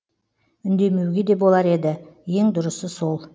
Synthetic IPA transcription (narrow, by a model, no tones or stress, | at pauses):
ʏnd̪e̞me̞wɡʲe̞d̪e̞bo̞lˠɑɾe̞d̪ɪje̞ŋd̪ʊɾəsəso̞lˠ